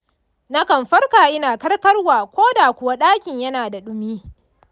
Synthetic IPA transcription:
nɐ˦kɐ˨mɸɐ˦rkaː˨ʔɪ˦naː˨kɐ˦rkɐ˦rwaː˨kʷoː˦daː˨kʷʊ˨wa˦ɗaː˦kʲɪ˨ɲjɐ˦naː˨da˨ɗʊ˦miː˦

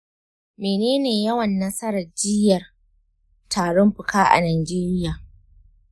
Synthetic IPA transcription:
meː˨neː˦neː˨jɐ˦wɐ˨nːɐ˦sɐ˦ɾɐ˨rd͡ʒɪ˦jɐ˨r | tʰaː˨ɽɔ˦mɸʊ˨kʰaː˦ʔa̰˨naː˨d͡ʒeː˦ɾɪ˦jaː˨

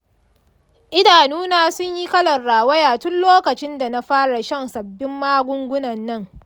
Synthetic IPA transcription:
ʔɪ˦daː˨nuː˦naː˦sʊ˦ɲji˦kɐ˦lɐ˨nɽaː˨wɐ˦jaː˨tʊ˦nloː˦kɐ˨t͡ʃɪ˦nda˨na˦ɸaː˦ɽa˨ʃɐ˦nsɐ˨bːɪ˦mːaː˦ɡʷʊ˦ŋɡʷʊ˦nɐ˨nːɐ˦˨ŋ

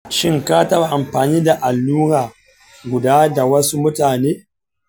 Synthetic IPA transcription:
ʃɪ˦ŋkaː˦tɐ˦ba˨ʔa˨mɸaː˨niː˦da˨ʔa˨lːuː˦ɾaː˨ | ɡʷʊ˨daː˦da˨wɐ˦su˦mʊ˦taː˨neː˦

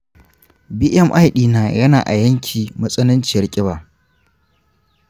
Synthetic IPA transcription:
bi˦ʔɛ˦mʔa˦jɗiː˨naː˨jɐ˦na̰ː˨ʔa̰˨jɐ˦ŋkʲʰiː˨mɐ˦sʼɐ˦nɪ˦nt͡ʃɪ˨jɐ˦rkʲʼɪ˦baː˨

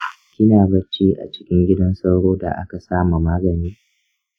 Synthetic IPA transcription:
kʲɪ˦naː˨bɐ˦t͡ʃiː˦ʔa̰˨t͡ʃɪ̥˦kʲɪ˦ŋɡʲɪ˦dɐ˦nsɐ˦wɽoː˦da̰˨ʔa̰˦ka˨saː˦mu˨maː˦ɡɐ˨niː˦

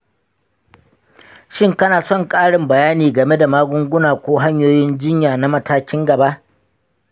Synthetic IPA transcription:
ʃɪ˦ŋkɐ˦naː˨sɔ˦˨ŋkʼaː˦ɽɪ˨mbɐ˨jaː˦niː˨ɡɐ˨me˦da˨maː˦ɡʷʊ˦ŋɡʷʊ˦naː˨kʷoː˦ɦa˦ɲjoː˦jɪ˦nd͡ʒɪ˦ɲjaː˨na˦mɐ˦taː˦kʲɪ˦ŋɡɐ˨ba˦ʔ

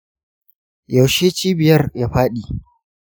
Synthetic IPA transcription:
jɐ˨wʃeː˦t͡ʃiː˦bɪ˨jɐ˦rja˦ɸaː˦ɗiː˨

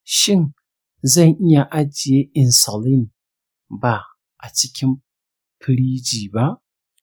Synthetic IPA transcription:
ʃɪ˦n | zɐ˦˨ŋʔɪ˦ja˨ʔa˨d͡ʒɪ˨je˦ɪ˨nso˨li˦˨n | ba˨ | ʔa˨t͡ʃɪ˦kʲɪ˦m | pʰɨ˨ɾi˦d͡ʒiː˨ba˦ʔ

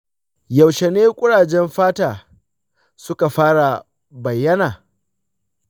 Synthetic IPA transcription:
jɐ˨wʃe˨neː˦kʷʼʊ˦ɽaː˨d͡ʒɛ˦mɸaː˦taː˨ | sʊ˦ka˨ɸaː˦ɽa˨ | bɐ˨jːɐ˦naː˨

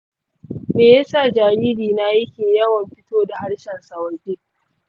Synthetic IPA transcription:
meː˨ja˦sa˦˨d͡ʒaː˨ɽiː˦diː˨na˦a˦kʲɪ˨ɲjɐ˦wɐ˨mɸɪ˦toː˦da˨ha˦ɽʃɛ˨nsɐ˨wɐ˨d͡ʒeː˦

